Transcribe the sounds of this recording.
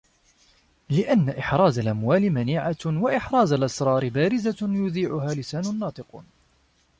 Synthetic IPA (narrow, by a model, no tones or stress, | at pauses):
lɪʔanːaʔɪħɾˤɑːzalʔamwaːlɪmaniːʕawaʔɪħɾˤɑːzalʔɑsɾˤɑːɾɪbaːɾɪzajʊðiːʕʊɦaːlɪsaːnʊnːɑːt̪ˤɨqː